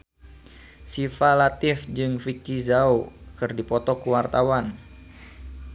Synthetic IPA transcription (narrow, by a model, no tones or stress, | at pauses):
sifalat̪ɪfd͡ʒɨŋfikizaukɨrdipɔt̪ɔkuwart̪awan